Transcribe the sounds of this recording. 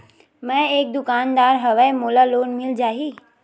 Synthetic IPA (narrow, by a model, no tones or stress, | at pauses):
mɛ̃eːk̚d̪ʊkaːnd̪aːɾɦɐʋəmoːlaloːnmɪld͡ʒaːɦiː